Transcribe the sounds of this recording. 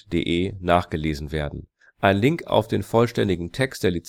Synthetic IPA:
d̥ḛːʔeːnaːχɡ̥əleːzn̩veːɐdn̩ | ʔaɪnlɪŋka̰ʊfd̥eːnfɔlʃtɛndɪɡŋ̩tʰɛkst̚d̥eːɐlit͡s

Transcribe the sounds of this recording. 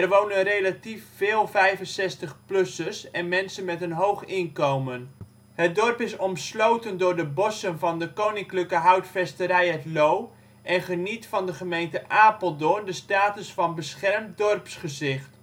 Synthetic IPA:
ɛrʋownənrelatifːɪːlˠvɛjvənsɛstəχplɵsəsɛnmɛnsənmɛtənɦowχɪnkowmən | hət̚dɔrpɪsɔmslowtəndʊːrdəbɔsənvɑndəkownɪŋkləkəɦawtfɛstəɾɛjɛtlow | ʔɛnχənitfɑndəχəmejntəʔaːpəlˠdʊndəstaːtəsfɑnbəsχɛrmdɔrpsχəzɪχt

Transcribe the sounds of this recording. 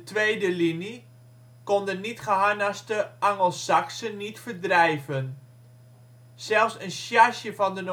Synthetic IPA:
tʋeːdəlini | kondənitχəɦanastəʔaŋəlˠsaksənːitfərdrɛjvən | sɛlˠfsənsjaʃjəfɔndəno

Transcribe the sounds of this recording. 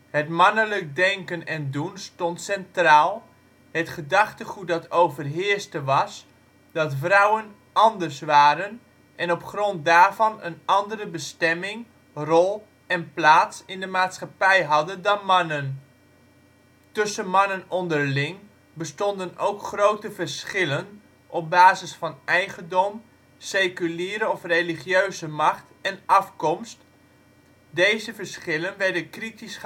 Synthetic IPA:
hətmɑnələk̚dɛŋkənɛndunstɔntsɛntraːlˠ | hətχədɑχtəχut̚dɑtowvərɦɪəstəʋɑs | d̥ɑtfrawən | ʔɑndərsʋaːɾən | ʔɛnɔpχrɔnt̚daːrvɑnə̰nɑndərəbəstɛmɪŋ | rɔlˠ | ɛnplaːtsɪndəmaːtsχapɛjɦɑdəndɑnmɑnən | tɵsənmɑnənɔndərlɪŋ | bəstɔndənowkχrowtəvəɹsχɪlən | ʔɔp̚baːzəsfɑnɛjɣəndɔm | seːkyliːɾəɔfreːliχjøɥzəmɑχt | ɛnɑfkɔmst | dejzəvəɹsχɪlənʋɛɹdəkritis

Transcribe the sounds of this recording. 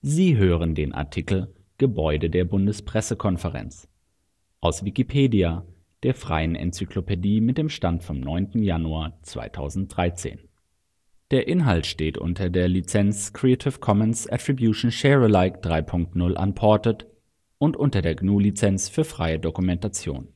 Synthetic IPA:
ziːɦøːʁ̞əndeːnʔa̰ɐtʰikl̩ | ɡ̥əbɔʏdədeːɐbʊndəspʁ̥ɛsəkʰɔnfəʁɛ̰nt͡s | ʔaʊsv̥ikipʰeːdia | d̥eːɐfʁ̥a̰ɪənʔɛ̰nt͡syklopʰediːmɪt̚d̥eːmʃtantfɔmnɔʏntn̩januaːɐt͡sv̥a̰ɪtʰa̰ʊzn̩t̚d̥ʁaɪt͡sḛːn | d̥eːɐʔɪnɦaltʃteːtʔʊ̰ntʰɐdeːɐlit͡sɛnt͡skʁ̥ietʰɪfkʰɔmənsʔɛ̰tʁ̥ibjuːʃn̩ʃɛʁəlaɪkd̥ʁaɪpʰʊŋk̚tnʊlʔa̰npʰɔɐtət | ʔʊntʔʊntɐdeːɐɡnuːlit͡sɛnt͡sfyːɐfʁ̥aɪədokumɛntat͡sjo̰ːn

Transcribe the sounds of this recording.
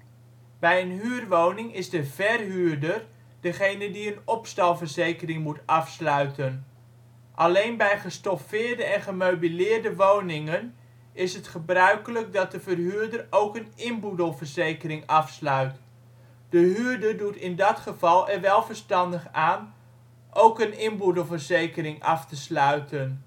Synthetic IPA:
bɛjənɦyːrʋownɪŋɪzdəvɛrɦyːrdər | d̥əχejnədiənɔpstɑlˠvərzejkərɪŋmutɑfslœɥtən | ʔɑlejnbɛjχəstɔfɪːɹdəɛnχəmowbilɪːrdəʋownɪŋən | ɪsɦətχəbrœɥkələk̚dɑt̚dəvərɦyːɹdəɹowkənɪnbudəlˠvəɹzejkərɪŋɑfslœɥt | d̥əɦyːɹdəɹdutɪndɑtχəv̥ɑlˠɛɹʋɛlˠvəɹstɑndəχaːn | ʔowkənɪnbudəlˠvəɹzejkəɾɪŋɑftəslœɥtən

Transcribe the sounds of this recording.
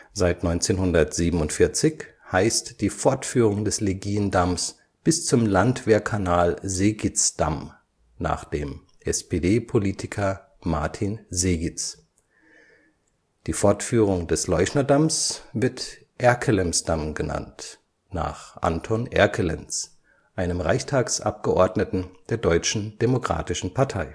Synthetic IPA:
zaɪtnɔʏnt͡seːnhʊndɐtz̥iːbm̩ʊntfɪɐt͡sɪçhaɪstd̥iːfɔɐtfyːʁ̞ʊŋdɛsleɡiːəndams | b̥ɪst͡sʊmlantv̥ɛːɐkʰanaːlzeːɡɪt͡sd̥a̰m | na̰ːχd̥eːm | ʔɛspedeːpʰoliːtʰɪkʰɐ | maɐtʰinzeːɡɪt͡s | d̥iːfɔɐtfyːʁʊŋdɛslɔʏçnɐdamsv̥ɪɐt | ʔɛɐkʰəlɛmsd̥amɡəna̰nt | na̰ːχʔa̰ntʰonʔɛ̰ɐkʰəlɛ̰ns | ʔaɪnəmʁaɪçtʰaːksʔa̰p̚ɡ̥əʔɔɐdnətn̩d̥eːɐdɔʏt͡ʃn̩d̥emokʁ̥a̰ːtɪʃn̩pʰaɐtʰaɪ

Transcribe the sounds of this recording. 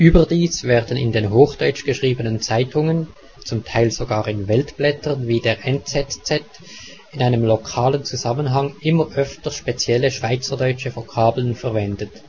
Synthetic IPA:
ʔyːbədiːsv̥ɛːʁdənɪ̰ndeːnɦoːxd̥ɔʏt͡ʃɡ̥əʃʁ̥iːbənənt͡saɪtʰʊŋən | t͡sʊmtʰaɪlz̥oɡaːʁɪnvɛltb̥lɛtʰəʁnviːdeːʁʔɛnt͡sɛtt͡sɛt | ɪnaɪnəmlokʰaːlənt͡suzamənɦɑŋʔɪməʁʔœftəʃpet͡sjɛləʃv̥aɪt͡sədɔʏt͡ʃəvokʰaːblənfɛɐvɛndət

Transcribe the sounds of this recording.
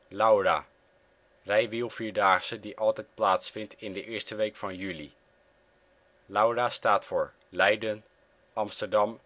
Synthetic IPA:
lawra̰ | rɛjʋilˠfiːɹdaːχsədiʔɑlˠtɛjt̚plaːtsfɪntʰɪndəʔɪːɹstəʋejkfɑnjylḭ | lawrastaːtfʊːɹ | lɛjdən | ɑmstəɹdɑm

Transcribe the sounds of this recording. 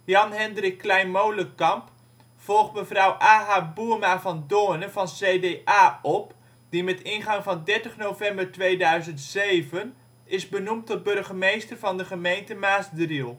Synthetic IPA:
jɑnɦɛndrɪkːlɛjnmowləkɑmp | fɔlˠχməvrʌwʔaːɦaːbumaːvɑndoːnəvɑnsejdeʔaːɔp | d̥imɛtɪnχɑŋvɑndɛɹtəχnowvɛmbəɹtʋejdœɥzəntsejvən | ɪzbənumtɔt̚bɵrχəmejstəɹvɑndəχəmejntəmaːsdrilˠ

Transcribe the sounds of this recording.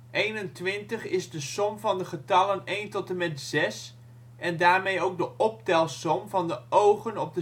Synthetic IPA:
ʔejnəntʋɪntəχɪzdəsɔmvɑndəχətɑlənejntɔtəmɛtz̥ɛs | ɛndaːɹmejowk̚dəʔɔp̚tɛlˠsɔmvɑndəʔowχənɔb̚də

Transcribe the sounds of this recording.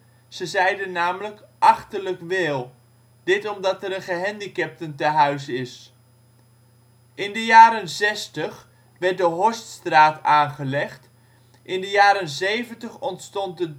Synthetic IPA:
z̥əzɛjdənːaːmələkʔɑχtələkʋɪlˠ | d̥ɪtɔmdɑtəɾənχəɦɛndikɛp̚təntəɦœɥzɪs | ʔɪndəjaːɾənzɛstəχ | ʋɛɹt̚dəɦɔststraːtaːnχəlɛχt | ʔɪndəjaːɾənzejvəntəχɔntstɔnt̚də

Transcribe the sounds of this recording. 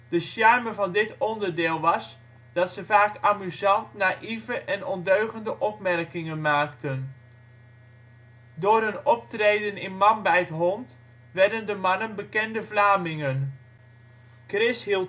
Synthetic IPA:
d̥əsjaɹməvɑndɪtɔndəɹdɪːlˠʋɑs | d̥ɑtsəvaːkaːmyzɑntnaʔivəʔɛnɔndøɥχəndəʔɔpmɛrkɪŋənmaːktən | dʊːrɦɵnɔp̚trejdənɪnmɑnbɛjətɦɔnt | ʋɛɹdəndəmɑnənbəkɛndəvlaːmɪŋən | krɪsɦilˠ

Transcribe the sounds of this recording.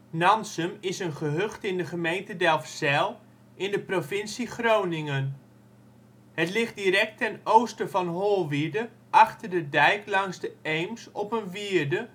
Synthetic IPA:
nɑnsəmɪsənχəɦøχtɪndəχəmejntədɛlˠfsɛlˠ | ʔɪndəprofɪnsiχrownɪŋən | hətlɪχtdirɛk̚tɛnowstəvɑnɦoːlˠʋidə | ʔɑχtərdədɛjklɑŋzdəejmsɔpənʋidə

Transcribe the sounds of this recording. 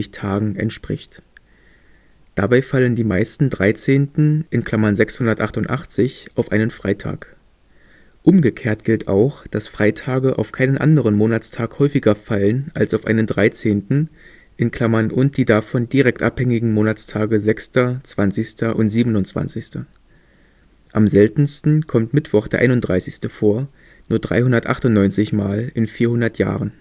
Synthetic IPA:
ɪçtʰaːɡŋ̩ʔɛ̰ntʃpʁ̥ɪ̰çt | d̥abaɪfaləndiːmaɪstn̩dʁaɪt͡seːntn̩ʔɪnkʰl̥amɐnzɛkshʊndɐtʔaχtʊntʔa̰χt͡sɪçʔaʊfʔaɪnənfʁ̥aɪtʰa̰ːk | ʔʊmɡəkʰeːɐtɡ̥ɪltʰa̰ʊxd̥asfʁ̥aɪtʰaːɡəʔa̰ʊfkʰaɪnənʔa̰ndəʁənmoːnatt͡stʰaːkhɔʏfɪɡɐfalənalsaʊfʔa̰ɪnəndʁaɪt͡seːntn̩ | ʔɪnkʰl̥amɐnʔʊnt̚d̥iːdafɔndiʁɛk̚tʔaphɛŋɪɡŋ̩moːnat͡sstʰaːɡəzɛkstɐt͡sv̥ant͡sɪçstɐʔʊntz̥iːbənʊnt͡sv̥a̰nt͡sɪçstɐ | ʔamzɛltn̩stn̩kʰɔmtmɪtv̥ɔχd̥eːɐʔa̰ɪnʊnd̥ʁaɪsɪçstəfoːɐ | nuːɐdʁa̰ɪhʊndɐtʔa̰χtʊnnɔʏnt͡sɪçmaːlɪnfiːɐhʊndɐtja̰ːʁən

